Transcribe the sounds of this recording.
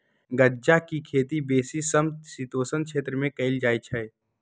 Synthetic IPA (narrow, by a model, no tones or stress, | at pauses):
ɡəd͡ʒakikʰeːt̪ibeːsisɐmsit̪oːsənkʃeːt̪ɾəmẽkɐɪld͡ʒaːit͡ʃʰɛɪ